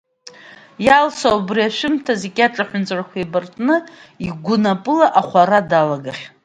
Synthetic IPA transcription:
jalsaubriaʃʷᶣɪmtʰaze̞ɡʲaʈ͡ʂʼaħʷᶣʊnt͡sʼarkʷʰaibartʼnɨiɡʷʊnapʼɨlaʔaχʷaɾadalaɡaχʲ

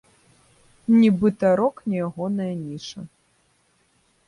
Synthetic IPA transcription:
nʲibɨt̪ɐɾɔknʲijaɣɔnɐjɐnʲiʂɐ

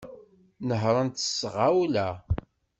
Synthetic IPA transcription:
nəɦɾˤənt̪ə̥sːʁawlæ

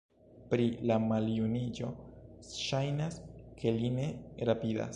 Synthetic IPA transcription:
pɾilamaljunid͡ʒo̞ | ʃajnaskʰe̞line̞ɾapida̰s

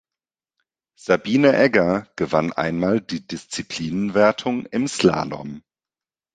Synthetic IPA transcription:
z̥abiːnəʔɛɡɐɡ̥əvanʔa̰ɪnmaːldiːdɪst͡sipʰl̥iːnənvɛɐtʰʊŋɪmsla̰ːnɔ̰m

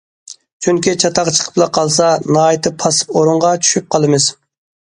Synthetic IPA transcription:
t͡ʃʰyŋkʲit͡ʃʰɑt̪ʰɑʁt͡ʃʰə̥qʰə̥plˠɑqʰɑlˠsɑnɑːjit̪ʰɨpʰɑsɨ̥poɾʊɴʁɑt͡ʃʰy̥ʃyp̚qʰɑlˠɨmɨz̥

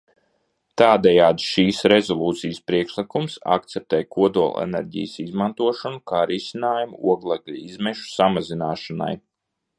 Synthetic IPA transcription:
t̪aːd̪ɛjaːd̪ʃiːsɾɛzɔlˠuːt̪sijəspɾiɛkʃlˠikumsa̰k̚t̪sɛp̚t̪ɛːjkuɔd̪uɔ̰lˠɛ̰nɛ̰ɾɟḭjsizmant̪uɔʃɔnukaːɾisinaːjumuuɔɡlˠaɡlʲizmɛʃu̥samazinaːʃana̰j

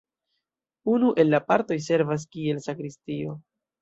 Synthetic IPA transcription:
unuʔe̞lːapaɾto̞jse̞ɾvas̬kie̞lsakɾistio̞

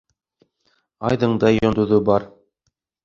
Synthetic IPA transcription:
ɑjðɤ̆ɴd̪ɑjŏnd̪ŭðɤbɑɾ

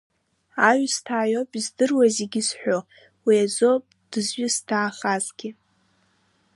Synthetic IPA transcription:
aɥstʰaːjopʼizdɨrwaziɡʲɪzħʷᶣo | wiad͡zopʼd̥ɨzɥʊstʰaːχazɡʲɪ

